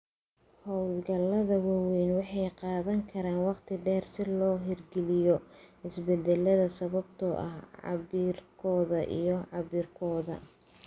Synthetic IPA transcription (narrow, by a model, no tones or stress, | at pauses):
hɔwlɡɐlːɐðɐwɑwɛjnwɑħɑjqɑːðɐŋkʰɐɾaːnwɑqt̪ʰɪɖɛːrsɪlɔːɦɪrɡɛlɪjɔhɪsbɛd̪ɛlːɐðɐsɐβɐbt̪ʰɔʔɐ̰hʕɑ̰βiːrkʰɔːðɐʔḭjɔʕɑβiːrkʰɔːðɐ̰